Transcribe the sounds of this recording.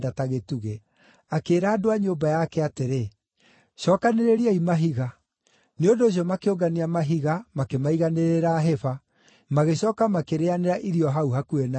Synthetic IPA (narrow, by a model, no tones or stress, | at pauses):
dataɣetuɣe | akeːɾaːdoaɲombajakɛateɾe | ɕɔːkaneɾeɾiaimaɦiɣa | neondoːɕ̬iɔmakeoɡaniamaɦiɣamakemaiɣaneɾeɾaɦɛfa | maɣeɕɔːkamakeɾeaneɾaʔiɾiɔɦauɦakuena